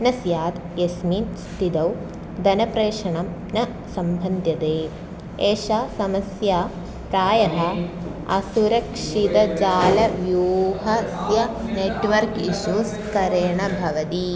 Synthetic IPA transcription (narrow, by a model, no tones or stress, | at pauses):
nɐsjaːt̪ | jɐsminst̪id̪ɐw | d̪ɐnɐpɾeːʂɐɳɐmnɐ | sɐmbʱɐnd̪ʱjɐt̪eː | eːʃaːsɐmɐsjaː | kaːjɐɦɐ̆ | ɐ̰suɾɐkʂit̪ɐd͡ʒaːlɐʋjuːɦɐsjɐneʈʋɐɾkiʃus | kɐɾeːɳɐbʱɐʋɐt̪i